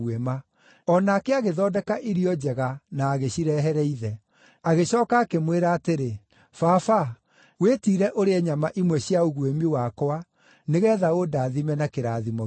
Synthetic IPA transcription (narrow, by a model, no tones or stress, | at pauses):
wɛma | ɔnakeaɣeðɔdɛkaʔiɾiɔd͡ʑɛɣanaːɣeɕiɾɛɦɛɾɛiðɛ | aɣeɕɔːkaːkemweɾaːteɾe | fafa | wetiːɾɛʔoɾeɛɲamaʔimwɛɕiaoɣuemiwakɔa | neɣɛːðaodaːðimɛnakeɾaːðimɔ